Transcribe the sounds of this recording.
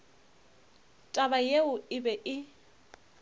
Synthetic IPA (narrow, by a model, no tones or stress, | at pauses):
tʼabajeʊɪbɛʔɪ